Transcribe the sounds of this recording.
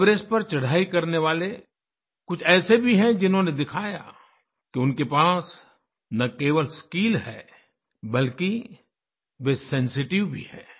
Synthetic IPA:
bɾeːs̚pɐɾt͡ʃɐɽ̤aːikɐɾneʋaːle | kʊt͡ʃʰɛːsebʱiɦɛ̃d͡ʒɪnɦõned̪ɪkʰaːja̰ | keʊnkepaːs | nɐkeːʋəlskiːlɦɛ̰ː | bɐlki | ʋesɛ̃nsɪʈɪʋbʱḭhɛ̰ː

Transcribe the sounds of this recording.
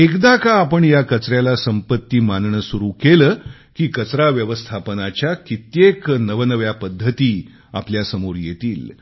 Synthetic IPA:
ekd̪akaːpəɳjakət͡sɾjalasəmpət̪ːiːmanɳəsuɾuːkeləː | kiːkət͡sɾaʋjəʋəst̪ʰapənat͡ɕjakit̪jeknəʋnəʋjapəd̪ʱːət̪iː | a̰pljasəmoɾjet̪iːl

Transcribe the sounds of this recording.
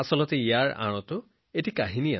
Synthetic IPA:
asɔlɔtɛijaɹʔa̰ɹ̃ɔtʊ | etikaɦinia

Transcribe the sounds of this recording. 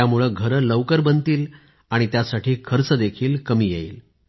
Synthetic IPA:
amuɭəɡʱəɾələʋkəɾbənt̪iːl | aɽ̃it̪jasaʈʰiːkʰəɾt͡səd̪ekʰiːlkəmiːjeḭːl

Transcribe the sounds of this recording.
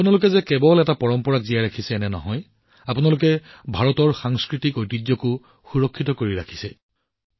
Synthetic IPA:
apʊnalʊkɛzɛkɛbɔlɛtapɔɹɔmpɔɹakzijaɹakʰisɛːnɛnɔ̰ɦɔj | apunalʊkɛbʱaɹɔtɔɹxaŋskɹitikojtid͡ʒjɔkʊ | xuɹɔkʰːitɔkoɹiɹakʰi̥sɛ

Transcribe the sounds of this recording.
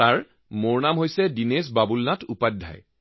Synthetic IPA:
aɹ | moɹnamɦojsɛdines̬babulnatʰupad̚dʱːa̰j

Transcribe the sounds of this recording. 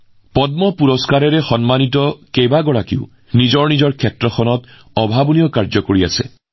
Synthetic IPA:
pɔd̚mɔpuɹɔskaɹɛɹɛxɔnmanitɔkejbaɡɔɹakḭʊ | nizɔɹnizɔɹkʰɛtɹɔxʰɔnɔt | ɔbʱabɔnijɔkaɹzɔkoɹia̰sɛ̰

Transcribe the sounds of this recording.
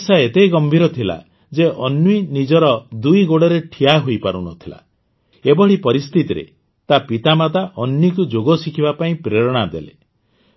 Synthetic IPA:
saet̪ejɡɔmbʱiɾɔt̪ʰila̰ | d͡ʒeʔɔnːuinid͡ʒɔɾɔd̪ujɡoɽɔɾeʈʰiaɦoipaɾṵnɔt̪ʰila̰ | ebɔɭ̤ipɔɾist̪ʰit̪iɾḛ | t̪apit̪amat̪aʔɔnːuikud͡ʒoɡɔsikʰibapaĩpɾeɾɔɽ̃ad̪elḛ

